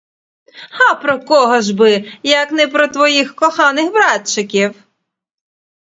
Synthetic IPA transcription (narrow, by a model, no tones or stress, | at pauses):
ɑpɾɔkɔɦɔʒbɪjɐknɛpɾɔt̪ʋɔjixkɔxɑnɪxbɾɑtt͡ʃɪkʲiw